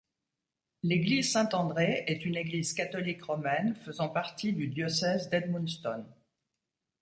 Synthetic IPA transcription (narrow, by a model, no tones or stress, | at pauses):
leɡlizsɛ̃t̪ɑ̃d̪ʁeɛt̪yneɡlizkat̪ɔlikʁɔmɛnfəzɑ̃paʁt̪id̪yd̪jɔsɛzd̪ɛd̪mũnst̪ɔn